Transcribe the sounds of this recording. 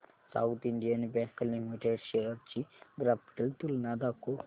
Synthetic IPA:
sa̰wt̪ʰiɳɖijanibeŋkɐlːimiʈeɖʃeɾɐɾt͡ʃiɡɾaːpʈɐlt̪ulnaːd̪aːkːo

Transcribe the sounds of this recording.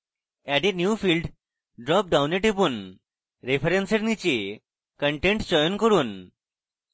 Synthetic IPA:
ɛɖenjuːfilɖ | ɖɾɔp̚ɖawneʈep̬uːn | ɾefəɾenseɾnit͡ɕe | kəɳʈẽɳʈt͡ɕɔjonkəɾuːn

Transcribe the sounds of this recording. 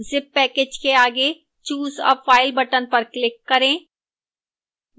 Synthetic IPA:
zɪpːɛːkeːd͡ʒkeaːɡe | t͡ʃuːzɔ̰ːfaːɪlbɐʈənpɐɾklɪkːɐɾẽː

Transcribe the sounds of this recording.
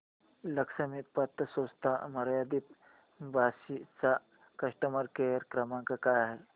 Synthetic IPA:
ləksəmipət̪ːəsost̪ʰa̰məɾjad̪it̪ | bʱasit͡sa | kəʂʈəməɾkeɾkɾəmãŋkakajaɦe

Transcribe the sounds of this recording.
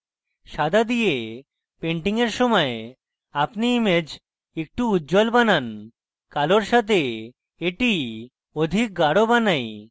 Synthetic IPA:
ʃad̪ʱad̪ije | peɳʈiŋeɾʃɔmɔe | apniːmed͡ʑ | ek̚ʈuuːd͡ʑɔlbanan | kaloɾʃat̪e | eʈi | od̪ʱik̚ɡaɽobanaj

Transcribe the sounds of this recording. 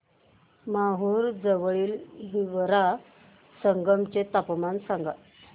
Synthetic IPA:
maɦuːɾd͡zəʋɭiːlɦiʋəɾa | səŋɡəmt͡ɕet̪apmansaŋɡa

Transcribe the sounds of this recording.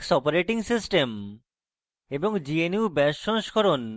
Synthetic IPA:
ksɔpoɾeʈiŋsisʈem | eboŋd͡ʑienuubɛʃːoŋʃkʰɔɾon

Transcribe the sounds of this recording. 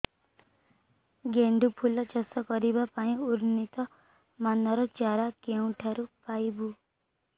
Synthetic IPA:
ɡeɳɖupʰulɔt͡ʃɔsɔkɔɾibapaĩuɾnit̪ɔ | manɔɾɔt͡ʃaɾakeũʈʰaɾupajbu

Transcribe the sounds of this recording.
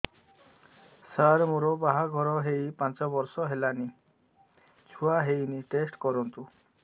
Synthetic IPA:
saɾmuɾɔbaɦaɡʱɔɾɔɦejpãnt͡sɔbɔɾsɔɦelani | t͡ʃʰuaɦejniʈesʈkɔɾɔnt̪u

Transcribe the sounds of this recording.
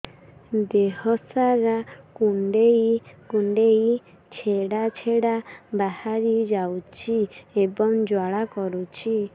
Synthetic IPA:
d̪ehɔsaɾakuɳɖejkuɳɖej | t͡ʃʰeɽat͡ʃʰeɽabahaɾid͡ʒawt͡ʃʰiebɔŋd͡ʒwaɭakɔɾut͡ʃʰi

